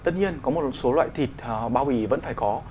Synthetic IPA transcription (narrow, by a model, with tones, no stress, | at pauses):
t̪ə̰˦˥t̚ɲi˧ənkɔ˨˦mo˨˩t̚t̚so˨˦lwa̰ː˧˨jt̪ʰi˨˩t̚ɓaː˧wi˧˩və̰˧˥nfaː˧˩jkɔ˨˦